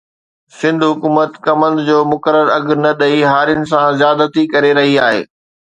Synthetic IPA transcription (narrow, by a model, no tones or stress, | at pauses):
sɪ̃nd̪ʱɦʊkuːmət̪kɐmə̃nd̪d͡ʑoːmʊkəɾəɾɐɡnɐɗɐiɦaːɾɪjənɪ̆sãzjaːd̪t̪ʰikɐɾeɾɐɦiaːɦḛː